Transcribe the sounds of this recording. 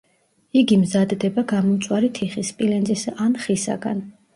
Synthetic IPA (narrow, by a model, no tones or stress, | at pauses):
iɡimzad̪d̪ɛbaɡamɔmt̪sʼwaɾit̪ʰiχispʼilɛnzʼisanχisa̰ɡa̰n